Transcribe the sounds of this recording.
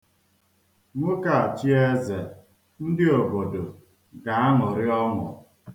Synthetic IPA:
ŋʷʊ˦ka˨a˨t͡ʃi˦e˦ze˨ | n̩˦dɪ˦o˨bo˨do˨ | ɡa˨a˦ŋʊ˨ɾɪ˦ɔ˦ŋʊ̰˨

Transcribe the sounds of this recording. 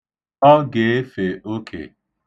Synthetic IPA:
ɔ˦ɡe˨e˦fe˨o˦kʰḛ˨

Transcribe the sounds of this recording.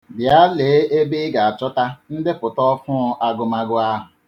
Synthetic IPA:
bja˦le˨˦e˦be˦ɡa˨a˨t͡ʃɔ˦ta˦n̩˦dɪ˦pʊ˨tɔ˦fʊ˦ʊ˦ʔa˦ɡʊ˨ma˦ɡʊ˦a˦ɦʊ˨

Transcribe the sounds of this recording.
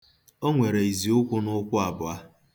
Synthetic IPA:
o˦ŋʷe˨ɾe˨i˨zi˨ʊ˦kʷʊ˦nʊ˦kʷʊ˦a˨bʊ˨a˦

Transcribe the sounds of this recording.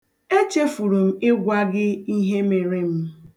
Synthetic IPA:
e˦t͡ʃe˦fu˨ɾu˨m̩˦ɪ˦ɡʷa˦ɡɪ˦i˦ɦe˦me˨ɾe˦m̩˦

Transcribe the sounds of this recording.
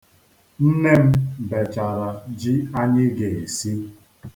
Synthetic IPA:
n̩˦ne˦m̩˦be˨t͡ʃa˨ɾa˨d͡ʒi˦a˦ɲɪ˦ɡe˨e˨si˦

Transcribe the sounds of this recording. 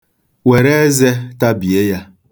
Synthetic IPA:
we˨ɾe˦ze˦ta˦bi˨e˦ja˦

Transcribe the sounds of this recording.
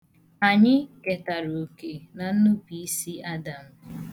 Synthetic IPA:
a˨ɲɪ˦ke˨ta˨ɾo˨ke˨na˨n̩˦nu˦pi˨i˦si˦a˦da˨m̩˨

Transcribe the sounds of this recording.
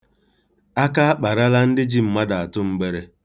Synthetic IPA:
a˦ka˦a˦k͡pa˨ɾa˦la˦n̩˦dɪ˦d͡ʒi˦m̩˨ma˦da˨a˨tʊ˦m̩˦ɡ͡be˦ɾe˦

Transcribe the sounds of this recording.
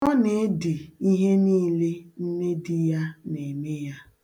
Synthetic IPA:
ɔ˦ne˨˦dɪ˨i˦ɦe˦niː˦le˦n̩˦ne˦dɪ˦ja˦ne˨me˦ja˦

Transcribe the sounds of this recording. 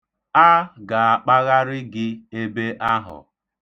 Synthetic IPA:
a˦ɡa˨a˨k͡pa˦ɣa˦ɾɪ˦ɡɪ˦e˦be˦ʔa˦ɦʊ̰˨

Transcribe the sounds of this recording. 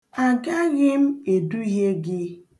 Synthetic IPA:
a˨ɡa˦ɣɪ˦m̩˦e˨du˦i˦ɦe˦ɡɪ˦

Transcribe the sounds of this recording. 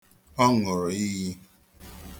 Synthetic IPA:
ɔ˦ŋɔ˨ɾɔ˨i˦ji˦

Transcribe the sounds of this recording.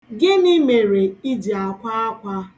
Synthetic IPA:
ɡɪ˦ni˦me˨ɾe˨i˦d͡ʒi˨a˨kʷa˦a˦kʷa˦

